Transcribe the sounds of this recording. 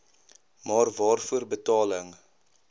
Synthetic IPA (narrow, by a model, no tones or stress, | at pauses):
mɑːrvɑːrfuərbətɑːləŋ